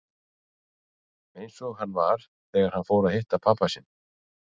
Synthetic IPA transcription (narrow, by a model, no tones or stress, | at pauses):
ejnsɔɣɦanːvaɾ̥ | θɛːɣaɾ̥hanfoːwɾaðhɪht̪apʰaːpasɪn